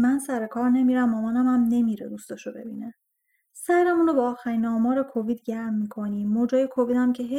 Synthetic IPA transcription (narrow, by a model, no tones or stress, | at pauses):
mænsæɾe̞kʰɒːɾne̞miɾæmːɒmænæmæmne̞miɾḛd̪ust̪ɒʃobe̞̰biːne | sæjɾæmunobɒːxæɾiːnɒːmɒːɾekʰoviːd̪ɟæɾmːiːkʰo̞niːod͡ʒɒːjekʰoviːd̪æmcʰe̞ɦe